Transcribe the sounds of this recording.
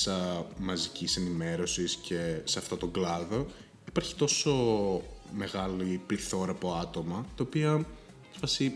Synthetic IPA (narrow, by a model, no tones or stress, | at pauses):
sɐmɐzicise̞nime̞ɾo̞sisce̞seɐft̪o̞t̪o̞ɡlɐðo̞ | ipɐɾçi̥t̪o̞so̞ | me̞ɣɐlipliθo̞ɾɐːpo̞ɐt̪o̞mɐt̪ɐopiɐ | fɐsi